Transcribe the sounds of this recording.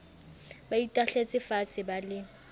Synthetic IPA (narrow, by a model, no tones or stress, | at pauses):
baitʼaɬet͡sʼɪfat͡sʰʼɪbalɪ